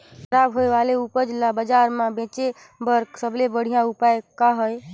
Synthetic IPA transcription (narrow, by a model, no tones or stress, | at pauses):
kʰəɾaːbɦoeʋaleupəɾd͡ʒɪlːabəd͡ʒaɾmãbẽːt͡ʃe | bəɾksəblebəɽ̤ijãupaekaɦəj